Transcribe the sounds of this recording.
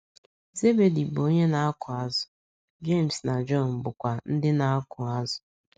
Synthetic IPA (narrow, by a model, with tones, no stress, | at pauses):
ze˦be˨di˨bo˦ɲe˦na˦a˦kʰʊ˨a˦zʊ̥˨ | d͡ʒe˦˨m̩˨sna˨d͡ʒɔ˦˨n̩˨bʊ˨kʷa˨n̩˦dɪ˦na˦a˦kʊ˨a˦zʊ̥˨